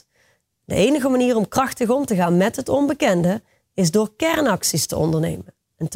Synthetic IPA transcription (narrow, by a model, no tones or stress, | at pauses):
də̰ʔejnəɣəmaniːrɔmkrɑxtəɣɔmtəɣaːnmɛtɦətɔnbəkɛndə | ɪzdoːɹkɛrnɑksistəɔ̰ndəɹnḛjmən | ɛnt